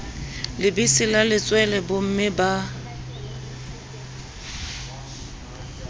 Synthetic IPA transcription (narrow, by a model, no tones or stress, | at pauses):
lɪbisɪlalɪt͡sʼwɛlɛbʊm̩mɪba